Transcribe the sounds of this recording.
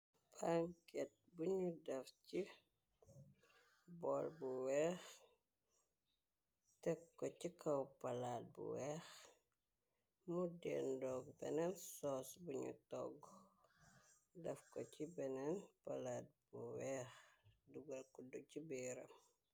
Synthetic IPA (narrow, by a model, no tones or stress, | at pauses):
paŋkɛt̚buɲudɐfci | bɔlbuwɛːx | tɛkːɔcikɐwpɐlaːt̚bṵwɛːx | mudɛ̰ndɔːɡbɛnɛnsɔsbuɲṵtɔ̰ɡ | dɐfkɔcibɛnɛnpɐlaːt̚buwɛːxduɡɐlkuducibɛɾɐ̰m